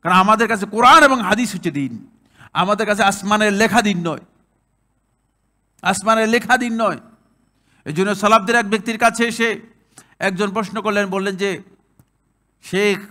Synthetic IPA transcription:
kaɾonamad̪eɾkat͡ɕʰekoɾaneboŋɦad̪isotːed̪in | a̰mad̪eɾkat͡ɕʰeasmaneɾlekʰad̪inːɔe | asmaneɾlekʰad̪inːɔe | ḛd͡ʑonːeosalab̚d̪eɾɛk̚bek̚t̪iɾkat͡ɕʰeeʃe | ɛk̚d͡ʑonp̬ɾoʃnokoɾlenbolːend͡ʑe | ʃekʰ

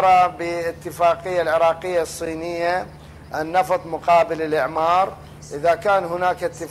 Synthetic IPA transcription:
ɾˤɑbɪɪt̪ːɪfaːqɪjːalʕɪɾˤɑːqɪjːasˤːiːnɪjːa | ʔɪnːɑft̪ˤmʊqɑːbɪlɪlʔɪʕmɑːɾˤ | ʔɪðakaːnhʊnaːkɪt̪ːɪ

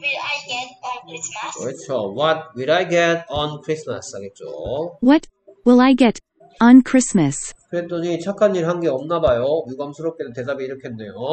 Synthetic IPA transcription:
ʌt͡ɕʰowʌt̚wiɾajɡetʌnkʰɾisma̰shaɡet̚t͡ɕ͈o̰wʌt̚ | wɪlˠaɪɡɛɾ̃ | nkʰɹ̥ɪsmɨskɯɾet͈oɲit͡ɕʰakʰanːiɾɦanɡe̞ʌmnabajojuɡamsʰɯɾʌp̚k͈edote̞dabiiɾʌkʰeenːe̞jo

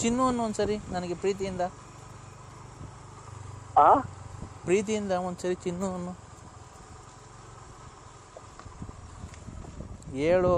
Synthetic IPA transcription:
t͡ʃinːuɐnːuond̪usɐɾinɐnɐɡepɾiːt̪̬ijind̪ɐ | a | pɾiːt̪̬ijind̪ɐmond̪usɐɾit͡ʃinːuɐnːu | eːɭu

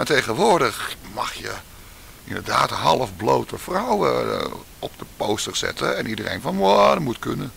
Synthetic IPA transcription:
atejɣənʋoɹdəxmɑxjə | indərdaːtɦɑlˠəfblowtəfrawə̰ | ɔp̚dəpoːstərsɛ̰tʰəɛnʔidərḛjnfɔnʋodəmutkønə

